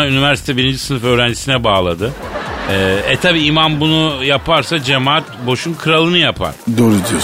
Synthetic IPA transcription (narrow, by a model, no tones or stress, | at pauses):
aynivæɾsi̥t̪ʰɛbiɾind͡ʒisɯnɯfø̞ːɾænd͡ʒisinɛbaːlˠad̪ɯ | ɛːɛt̪ʰabiːimanbunujapʰaɾsad͡ʒe̞maːt̪̚bo̞ʃunkʰɯɾalˠɯnɯjapʰa̰ɾ̥d̪oɾud̪i